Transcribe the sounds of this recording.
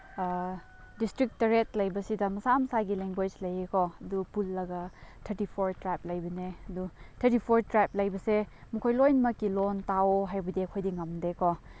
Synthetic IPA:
distɾik̚tɐɾet̚lɐjbɐsidɐmɐsamɐsaɡileŋɡwed͡ʒlɐjekɔɐdupulːɐɡɐtʰɐɾtipʰoɾtɾap̚lɐjbɐneɐdutʰɐɾtipʰoɾtɾap̚lɐjbɐsemɐkʰojlojnmɐkːilontawoɦajbɐdiɐkʰojdiŋɐmdekɔ

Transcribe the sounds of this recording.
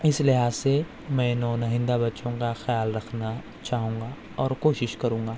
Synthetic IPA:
ɪslɪɦaːzse | mɛ̃ːnɔːnɐɦɪ̃nd̪abɐtːʃõkaxjaːlɾɐkʰna | t͡ʃaːɦũːŋɡa | ɔːɾkoːʃɪʃkɐɾũːŋ̆ɡaː

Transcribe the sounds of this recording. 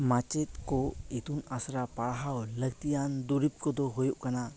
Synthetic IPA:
mat͡ʃɛt̪̚kɔet̪unasɾapaɽɦawləɡt̪ijand̪uɾip̚kɔd̪ɔɦojuʔkana

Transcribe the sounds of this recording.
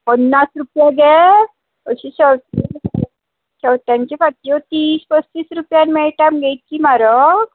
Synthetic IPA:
pənːasɾupjaɡɛ | əɕit͡ɕəwt̪ | t͡ɕəwt̪jãɲt͡ɕefat̪jot̪iːspəst͡ɕiːsɾupjanmɛɭʈamɡʱɛjt̪̚kimaɾək

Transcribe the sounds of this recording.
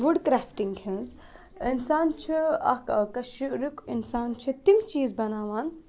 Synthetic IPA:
ʋuɖkɾaːfʈiŋɡhĩz | insaːnt͡ʃʰiɐ̰kkɐʃiɾikinsaːnt͡ʃʰit̪imt͡ʃiːzbɐnaːʋaːn

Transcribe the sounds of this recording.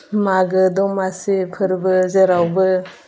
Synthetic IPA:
maɡɯdɔŋmasipʰɯɾbɯzeɾawbɯ

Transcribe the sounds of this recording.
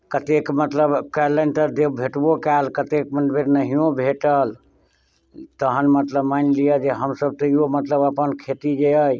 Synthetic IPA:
kət̪ekmət̪ləbkələnt̪əd̪ebʱeʈbokalkət̪ekmənbeɾnəɦijõbʱeʈəl | t̪əɦənmət̪ləbmanlijəd͡ʒeɦəmsəb̚t̪əiomət̪ləbəpənkʰet̪id͡ʒeəj

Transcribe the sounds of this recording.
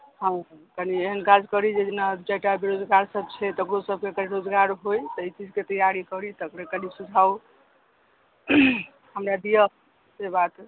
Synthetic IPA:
ɦãkənieɦənkad͡ʒkəɾid͡ʒed͡ʒenad͡ʒajʈabeɾod͡ʒɡaɾsəbt͡ʃʰɛt̪əkɾosəb̚kekəɾiɾod͡ʒɡaɾɦojt̪əit͡ʃid͡ʒket̪əjaɾikəɾit̪ɔəkɾekənisud͡ʒʱaw | ɦəmɾad̪ijə | kebat̪

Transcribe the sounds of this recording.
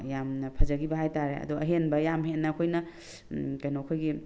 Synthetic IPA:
jamnɐpʰɐzɐɡibɐɦajtaɾeɐ̰duɐ̰ɦenbɐjamɦenːɐːkʰojnɐ | kɐjnokʰojɡi

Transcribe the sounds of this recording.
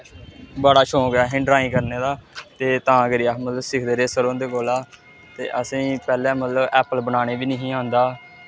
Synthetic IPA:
bəaːɽaːʃõːkɛːɦɪ̃ɳɖɾaːĩːkəɾneːd̪aːt̪eːt̪ãːɡəɾiːaːmət̪ləbsɪkʰd̪eːɾeːsəɾõːnd̪eːkoːlaː | t̪ḛːʔəsĩːpɛːlɛ̃ːmət̪ləbɛːpəlbənaːñeːbiːnəɦĩːãːnd̪aː

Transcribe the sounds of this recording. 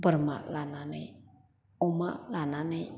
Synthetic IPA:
bərma̰ʔlanane | umaʔlanane

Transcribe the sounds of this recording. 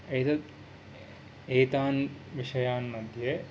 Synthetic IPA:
ejt̪ɐt̪ | eːt̪aːnʋiʂɐjaːnːɐd̪je

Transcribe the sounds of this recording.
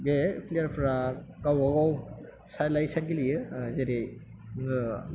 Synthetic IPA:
bepʰlijaɾpʰɾakawaɡaw | sajlajsanɡilijɯzeɾejŋɯ

